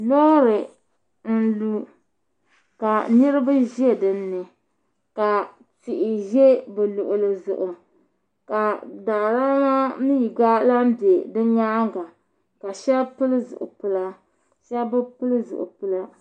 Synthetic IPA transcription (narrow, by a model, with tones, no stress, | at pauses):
lo˦ɾɨ˨ | n̩˦lu˦ | ka˨nɨ˦ɾɨ˦ba˦ʒi˦e˦˨dɨ˨nːɨ˨ | ka˨ | tɪ˨ʔɪ˨ʒe˦bɛ˨lʊ˨ʔʊ˨lɨ˨zʊ̰˨ʔʊ˨ | ka˨da˨ʔɾa˦ŋa˦mi˦˨ɡa˦la˦m˦be˨dɨ˦ɲaː˦ɡa˨ | ka˨ʃɛ˦lpɨ˦lɨ˦zʊ̰˨ʔʊ̰˨pɨ˦la˦ | ʃɛ˦lbɨ˦pɨ˦lɨ˦zʊ̰˨ʔʊ̰˨pɨ˦la˦